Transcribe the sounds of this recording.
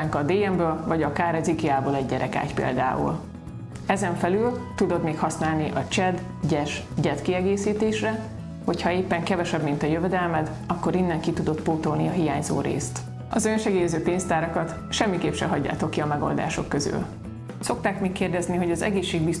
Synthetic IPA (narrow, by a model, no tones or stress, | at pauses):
aŋkɒd̪eːɛmbøːlvɒɟɒkaːɾɛzikiaːboːlɛɟːɛɾʔɛka̰ːcpḛːld̪a̰ːṵl | ɛzɛɱfɛlylt̪ud̪o̞d̪meːkhɒsnaːlniʔɒt͡ʃɛd̪ | ɟɛʃ | ɟɛt̪kiɛɡeːsiːt̪eːʃrɛ | ho̞chɒeːpːɛŋkɛvɛʃɛbmint̪ɒjøvɛd̪ɛlmɛd̪ | ɒkːo̞ɾinːɛŋkit̪ud̪o̞t̪poːt̪olniɒɦija̰ːɲzo̰ːɾḛːst̪ | ɒzønʃɛɡeːjɛzøːpeːnst̪aːɾɒkɒt̪ | ʃɛmːikeːpʃɛɦɒɟːa̰ːt̪o̞kːiɒmɛɡo̞̰ld̪a̰ːʃo̞̰kːøzy̰l | so̞k̚t̪aːkmeːkːeːrd̪ɛzniɦo̞ɟɒzɛ̰ɡeːʃːeːɡ̚bis